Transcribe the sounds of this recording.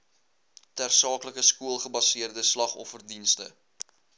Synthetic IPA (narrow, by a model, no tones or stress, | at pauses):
tærsɑːkləkəskuəlˠχəbɐsiərdəslɐχɔ̰fərdinstə̰